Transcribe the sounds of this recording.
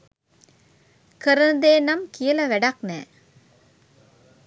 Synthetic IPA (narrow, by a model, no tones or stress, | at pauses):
kəɾənd̪eːnɐmkijɐlɐʋæɖɐknɛː